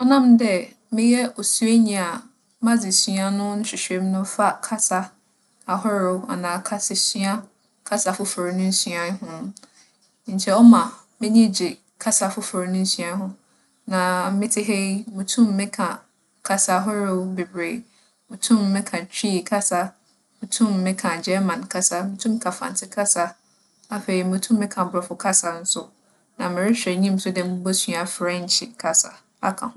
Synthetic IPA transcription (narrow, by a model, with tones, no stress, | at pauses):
ɔ˦nã˦mdɛ˦ | mɪ̃˦jɛ˦ɔ˨su˦e˦ɲĩ˨a˨ | mã˦d͡zɪ˨sɥa˦nʊ̃˦n̩˦ɕᶣɪ˨ɕᶣe˦m˦nʊ̃˦fa˦kʰa˦sa˦ | a˨ɦɔ˦ɾo˨˦a˨nãː˨kʰa˦sɪ˨sɥa˦ | kʰa˦sa˨fʊ˦fo˨ɾnʊ̃˦n̩˦sɥã˦hʊ̃˦ | ɲ̩˨t͡ɕʰɛ˦ɔ˦mã˨mɪ̃˦nĩ˦d͡ʑɪ˨ | kʰa˦sa˨fʊ˦fo˨ɾnʊ̃˦n̩˦sɥã˨ɦʊ̃˦ | nã˨mɪ̃˦tʰɪ˦ɦe˦mũ˨tʰũ˦mː˦ɪ̃˦kʰã˨ | kʰa˦sa˦ɦʊ˦ɾɪ˦be˨bɾe˨ | mũ˨tʰũ˦mːɪ̃˦kʰã˨t͡ɕʰᶣi˦kʰa˦sa˦ | mũ˨tʰũ˦mːɪ̃˦kʰã˨d͡ʑɛ˦mã˨n˨kʰa˦sa˦mʊ̃˨˦tʰũ˦m˦kʰã˨fã̰˨n˨tʰɪ˦kʰa˦sa˦ | a˦ɸe˨ɾi˨mũ˨tʰũ˦m˦mɪ̃˦kʰã˨bɾɔ˨fʊ˦kʰa˦sa˨n̩˦sʊ˦ | nã˨mɪ̃˨ɾɪ˦ɕᶣɛ˨ɲĩ˦m̩˦sʊ˦dɛ˨˦mũ˦bo˦sɥa˨fɾɛ˦ɲ̩˨˦t͡ɕʰɪ̰˨kʰa˦sa̰˨ | a̰˦kʰã̰˨ʊ̃˦